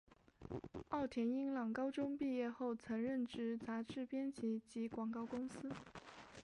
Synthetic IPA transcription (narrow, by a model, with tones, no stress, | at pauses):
ɑ˥˩ʊt̪ʰjɛ˧˥ni˥ŋlɑ˨˩ŋkɑ˥ʊʈ͡ʂʊ˥ŋpi˥˧jɛ˥˧xo˥˩ʊt͡sʰɤ˧˥ŋɻə˥˩nʈ͡ʂɻ̩˧˥t͡sa˧˥ʈ͡ʂɻ̩˥˩pjɛ˥nt͡ɕʰi˧˥t͡ɕi˧˥kwɑ˨˩ŋkɑ˥˩ʊkʊ˥ŋsɹ̩˥